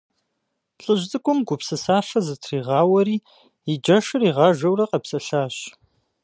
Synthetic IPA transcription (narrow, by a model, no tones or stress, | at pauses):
ɬʼɨʑt͡sʼɨkʷʼʊmɡʷʊpsɨsaːʂɐzɨtʰriːʁɑːwɐɾiː | id͡ʒɐʃɨriːʁɑːʒɐwrɐqɐpsɐɬaːɕ